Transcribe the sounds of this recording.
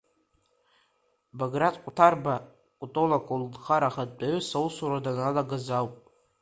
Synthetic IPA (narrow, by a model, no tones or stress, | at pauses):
baɡratʼqʷʼʊtʰarba | kʷʼutʼolakʰuldχaɾaχat̚ʼdaɥɥsawsuɾadanalaɡazawpʼ